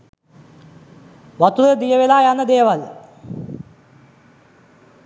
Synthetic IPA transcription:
ʋɐt̪ːuðed̪ijɐʋilaːjanːɐd̪eːʋɐl

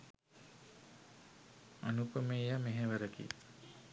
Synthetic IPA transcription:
anupəmejameɦeʋəɾəkḭ

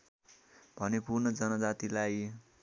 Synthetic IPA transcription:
b̥ʱʌnepurnʌd͡zʌnʌd͡zat̪ilaj

